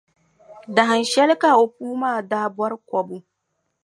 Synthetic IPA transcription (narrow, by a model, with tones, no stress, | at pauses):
da˨ɦa˨nʃɛ˦lka˨ʔʊ˨kuː˦maː˨daː˦bɐ˦ɾkʷɔ˨bu˦